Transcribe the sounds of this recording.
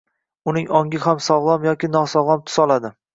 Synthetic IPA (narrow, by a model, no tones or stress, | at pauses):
ʊnɪŋɒŋʲɪhamsɒwlˠɒmjɒkʲɪnɒsɒwlˠɒmt̪ʰʊ̥sɒlˠad̪ɪ